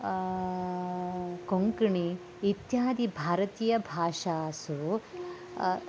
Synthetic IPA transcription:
koŋkiɳi | it̪jaːd̪ibʱaːɾɐt̪iːjɐbʱaːʂaːsu

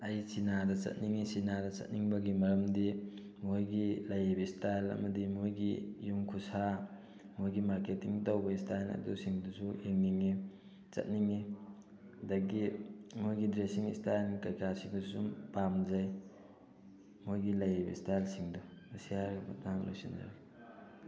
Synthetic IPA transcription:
ɐjsinadɐt͡ʃɐ̰t̚niŋisinadɐt͡ʃɐ̰t̚niŋbɐɡimɐɾɐmdi | mojɡilɐjebɐistajlɐ̰mɐdimojɡijumkʰusa | mojɡimaɾketiŋtɐwbɐistajnɐ̰dusiŋdusueŋniŋi | t͡ʃɐ̰t̚niŋi | dɐɡimojɡidɾesiŋḭstajnkɐjkʰasiŋdusumpamzɐj | mojɡilɐjibɐ̰istajlsiŋduɐsijaɾɡɐmɐ̰taŋlo̰jsḭnza̰

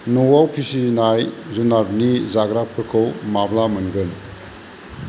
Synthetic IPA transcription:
nɔwawkʰisinajzunabnizaɡɾapʰɯɾkʰɯwmablamɯnɡɯn

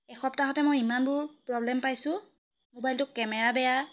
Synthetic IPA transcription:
ɛxɔp̚taɦɔtɛmojimanbʊɹpɹɔblɛmpajsʊ̃ | mobajltʊkːɛmɛɹabɛja

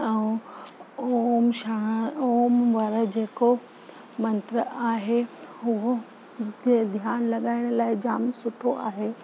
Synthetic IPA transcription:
ɛ̃ũ | omʃaoːmʋɐɾə̆d͡ʑeːko | mɐ̃nt̪ɾəaːɦehʊɦo | d̪ʱjaːnlɐɠaːɪɽ̃̆laːɪd͡ʑaːmsʊʈʰoʔa̰ːɦeː

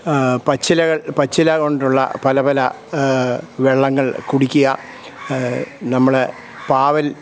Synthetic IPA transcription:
pɐt͡ɕːilɐɣɐɭpɐt͡ɕːilɐɣo̞ɳɖuɭːɐ̰pɐlɐbɐlɐ | ʋeɭːɐŋːɐɭkuɽikʲːuɣɐ | nɐmːɐɭe | paːʋɐl

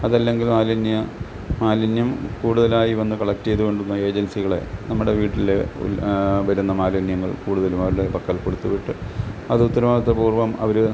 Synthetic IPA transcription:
ɐðɐlːe̞ŋɡilmaːlɐnjɐ | maːlinjɐmkuːɽuðɐlaːjiʋɐnːɨkɐɭɐk̚tːejðuko̞ɳɖunːɐe̞ːd͡ʑɐnsiɣɐɭe̞̰nɐmːuɽe̞ʋiːʈːile̞ṵlbɐɾɐnːɐmaːlinjɐŋːɐɭkuːɽuðɐlumɐːɾlepɐkːɐlkoɽut̪ːuʋiʈːɨɐðɨut̪ːɐɾɐʋaːɡɐt̪ːepuːrʋɐmɐ̰ʋɐɾu

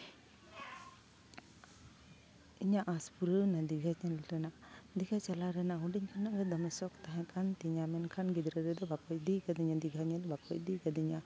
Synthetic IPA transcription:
iɲaʔaspuɾɯnad̪iɡʱaɲɛlɾɛnad̪iɡʱat͡ʃalaɾɛnaɦuɖiɲkʰanɔʔɡɛd̪ɔmɛsɔkt̪aɦãkʰant̪iɲamɛnkʰanɡid̪ɾaɾɛd̪ɔbakɔjd̪ikad̪iɲad̪iɡʱaɲad̪ɔbakɔjd̪ikad̪iɲa

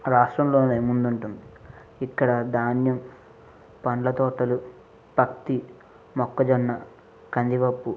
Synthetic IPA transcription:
ɾaːʂʈɾɐmlo̞ːnemund̪uɳʈund̪i | ikːɐɽɐd̪aːnjɐm | pɐɳɖlɐt̪ɔːʈɐlu | b̥ʱɐkt̪i | mɔkːɐd͡ʒɐnːɐ | kɐnd̪iʋɐpːu

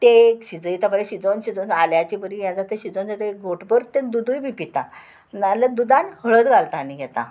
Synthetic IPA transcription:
t̪ekɕid͡zəjit̪apəɾeɕid͡zonɕid͡zɔnaljat͡ɕibəɾijãd͡zat̪eɕid͡zont͡sat̪əeɡʱoʈbəɾt̪ed̪ud̪ujbipit̪a̰ | naləd̪ud̪ãnɦəɭət̪ɡʱalt̪aːniɡʱɛt̪a̰

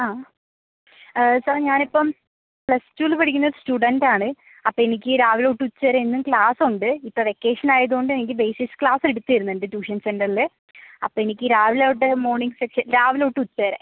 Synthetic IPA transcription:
aː | sɐrɲaːnipːɐm | pɭɐstuːlpɐɽik̬ʲːunːɐoɾɨstuːɽɐndaːɳɨ | ɐpːoːenikʲːɨɾaːʋiloːʈːɨut͡ɕːɨʋɐɾeenːumklaːsuɳɖɨipːɐʋe̞kːeːʂɐnaːjɐðuɣo̞ɳɖɨenik̬ʲːɨbeːsikskɭaːseɽut̪ːijɐɾunːenɖɨtuːʂɐnsenɖɐrile | ɐpːoːenikʲːɨɾaːʋileʈ̬ːɨmo̞ːɳiŋɡsekʂɐnɾaːʋiloːʈːɨut͡ɕːɐɐɾḛ

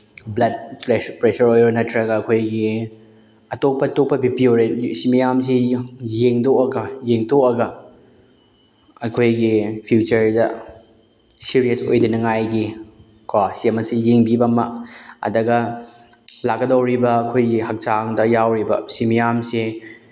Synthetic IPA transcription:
blɐd̚pepɾesɐɾojɾɐnɐtʰɾɐɡɐːkʰojɡi | ɐtok̚pɐtok̚pɐbipioɾesimijams̬ejeŋdokɐɡɐjeŋtokɐɡɐ | ɐkʰojɡipʰiut͡ʃɐɾdɐ | siɾijɐso̰jdinɐŋajɡi | kʰasiɐmɐsijeŋbibɐmaɐ̰dɐɡɐ | lakːɐdɐwɾibɐːkʰojɡiɦɐk̚t͡ʃaŋdɐjawɾibɐ̰simijamse

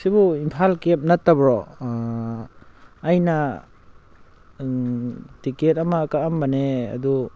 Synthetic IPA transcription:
sibuimpʰalkep̚natːabɾɔ | jna | tiket̚ɐmaːkaambanea̰du

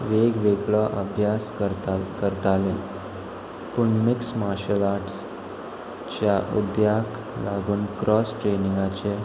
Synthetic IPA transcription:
ʋeɡʋeɡɭɔʔəbʱjaskəɾt̪alẽ | puɳmiksmaɾɕəlaɾʈs | t͡ɕjaʔṵd̪jak | laɡuːnkɾɔsʈɾenĩŋɡat͡ɕe

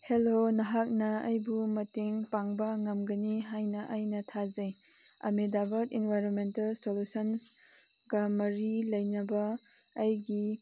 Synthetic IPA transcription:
helonɐɦak̚nɐɐjbumɐteŋpaŋbɐŋɐmɡɐniɦajnɐʔɐjnɐtʰazɐj | ɐ̰medabɐtinvajɾɔnmentalsolusɐns | ɡamɐɾilɐjnɐbɐː | jɡi

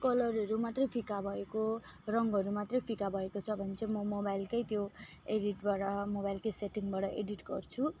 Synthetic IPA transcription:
kʌlʌrʌɾumat̪rʌjpʰikabʱʌeko | rʌŋɡʌɾumat̪rʌjpʰikabʱʌekot͡sʰʌbʱʌnt͡sʰemʌmobajlkʌjt̪jo | eɽiʈbaɽʌmobajlkejseʈiŋbaɽʌʔeɖiʈɡʌ̰rt͡sʰu

